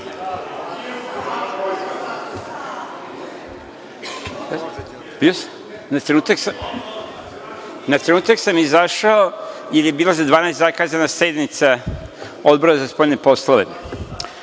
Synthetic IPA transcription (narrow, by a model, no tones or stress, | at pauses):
bios | nat̪ɾenuːt̪ak | nat̪ɾenuːt̪aksamizaʃaojeɾjebiːlˠazad̪ʋaːnajst̪zakaːzanase̞d̪nit̪sa | o̞d̪boɾazaspojnepo̞slˠoʋḛ